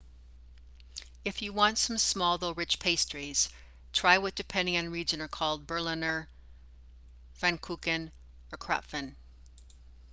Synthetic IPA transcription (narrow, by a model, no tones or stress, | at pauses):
ɨfjɨwɑ̃ntsʌ̃msmɔlˠðoʊɹɪt͡ʃpʰeɪstʰɹ̥iz̥ | tʰɹ̥aɪwʌt̚d̥ɨpʰɛ̃nɪ̃ŋɨ̃nɹid͡ʒɨ̃nə˞kʰɔlˠd̚bɜ˞lɪ̃nə˞ | fæ̃nkʰukɨ̃n | ə˞kʰɹ̥ɑ̰pfɨ̃n